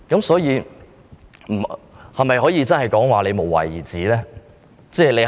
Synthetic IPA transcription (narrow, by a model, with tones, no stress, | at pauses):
kɐ˨˥msɔː˨˥jiː˨˧ | m̩˨˩hɐ˨jmɐ˨jɦɔː˨˥jiː˨˧t͡sɐ˥nhɐ˨jkɔː˨˥ŋwaː˨˩le˨˧mo˨˩wɐ̰˨˩jiː˨˩t͡siː˨˥lɛː˥ | t͡sɛː˥˧le˨˧